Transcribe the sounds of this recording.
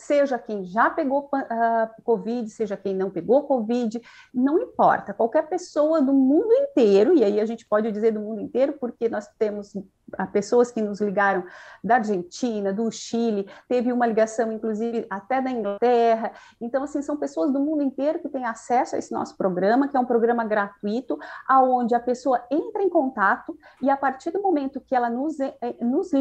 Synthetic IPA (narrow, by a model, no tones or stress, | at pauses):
seʒɐkẽj̃ʒapeɡopɐ̃ʔakovid͡ʒɪseʒɐkẽj̃nɐ̃w̃peɡokovid͡ʒɪnɐ̃w̃ĩpɔ̰ɾt̪ɐkwawkɛɾpesowɐd̪ʊmũnd̪ʊẽnt̪eɾʊɪaiaʒẽnt͡ʃɪ̥pɔd͡ʒɪd͡ʒizeɾd̪ʊmũnd̪ʊẽnt̪eɾʊpoɾkenɔst̪ẽmʊz | ɛpesoɐskɪnʊzliɡaɾɐ̃w̃d̪ɐːɾʒẽnt͡ʃĩnɐd̪ʊʃilɪt̪evɪũmɐliɡasɐ̃w̃ĩŋkluzivɪʔat̪ɛd̪ɐĩŋɡlat̪ɛɦɐ | ẽnt̪ɐ̃w̃asĩsɐ̃w̃pesoɐzd̪ʊmũnd̪ʊẽnt̪eɾʊkɪt̪ẽj̃asɛsʊɐ̰ḛsɪnɔ̰sʊ̥pɾoɡɾɐ̃mɐkɪɛũpɾoɡɾɐ̃mɐɡɾat̪uit̪ʊaõnd͡ʒɪɐpesoɐẽnt̪ɾɐẽj̃kõnt̪at̪ʊɪapaɾt͡ʃiɾd̪ʊmomẽnt̪ʊkɪɛlɐnʊznʊz